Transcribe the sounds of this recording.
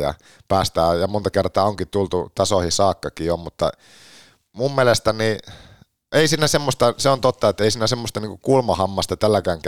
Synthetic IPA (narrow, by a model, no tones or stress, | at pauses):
jɑ̰ | pæːst̪æːjɑmont̪ɑkert̪ɑːoŋkit̪ult̪ut̪ɑsohisɑːkːɑkiommut̪ːɑ̰ | mummielest̪æni | ʔeisiːnæsemːost̪ɑseont̪ot̪ːɑet̪ːeisiːnæsemːost̪ɑniːŋkukulmɑhɑmːɑst̪ɑt̪ælːækæːŋk